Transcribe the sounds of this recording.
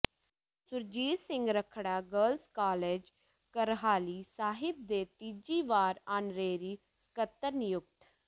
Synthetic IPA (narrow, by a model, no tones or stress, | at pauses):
sʊɾd͡ʒiːd̪sɪ̃ŋɡɾəkʰɽaːɡəːlskaːleːd͡ʒ | kəɾɦaːliːsaːɦɪb̚d̪eːt̪iːd͡ʒiːʋaːɾaːnɾeːɾiː | sə̥kət̪ːəɾnɪjʊk̚t̪